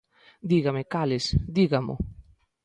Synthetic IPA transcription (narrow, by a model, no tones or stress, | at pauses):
d̪iɣamekalesd̪iɣamo̰